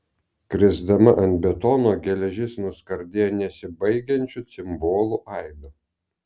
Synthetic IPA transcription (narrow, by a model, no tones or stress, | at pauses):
kɾʲɪzd̪ɐmɐʔɐnt̪̚ʲbʲɛt̪ɔnoːɡʲɛlʲɛʒʲɪsnʊskɐɾʲd̪ʲeːjnʲɛsʲɪbɐɪɡʲɛnʲt͡ʃʲʊt̪sʲɪmboːlˠʊʔɐɪd̪ʊ